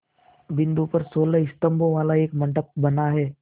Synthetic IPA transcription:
ʋɪ̃nd̪upɐɾsoːləɪst̪ə̃mbõʋaːlaeːkmɐ̃ɳʈək̚bɐnaɦɛː

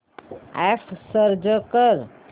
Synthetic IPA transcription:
epʰsəɾd͡ʒəkəɾ

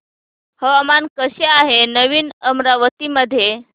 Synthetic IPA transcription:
həʋamankəɕeaɦenəʋiːnəmɾaʋət̪iməd̪ʱːje

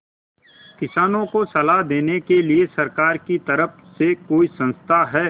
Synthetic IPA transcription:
kɪsaːnõkosɐlaɦd̪eːnekeliesɐɾkaːɾkit̪ɐɾəfsekoːisɐ̃nst̪ʰaɦɛː

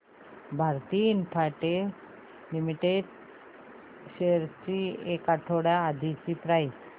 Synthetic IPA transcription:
bʱaɾt̪iinpʰaʈe | limiʈeɖ | ɕeɾt͡ɕiekaʈʰoɽjaːd̪ʱit͡ɕipɾaj

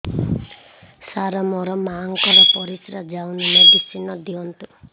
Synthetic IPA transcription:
saɾɔmɔɾɔmaŋkɔɾɔpɔɾisɾad͡ʒawnimed̪isinɔd̪iɔnt̪u

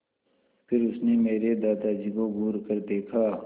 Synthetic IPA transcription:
pʰɪɾʊsnemeːɾed̪aːd̪ad͡ʒiːkoɡuːɾkəɾd̪eːkʰaː

